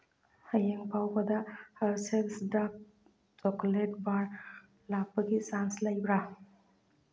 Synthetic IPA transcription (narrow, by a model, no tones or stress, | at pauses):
həjeŋpawbɐd̪ahəɾselsda | t͡ʃɔkleʈbaɾ | labaɡisanslajbɾa